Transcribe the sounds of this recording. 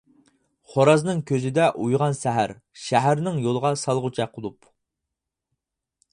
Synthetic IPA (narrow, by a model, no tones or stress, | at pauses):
χoɾɑznɨŋkʲʰøzɪd̪ɛʔujʁɑnsæɦæɾ | ʃæɦæɾnɪŋjolˠəʁɑsɑlˠʁʊt͡ʃʰɛqʰːəlˠup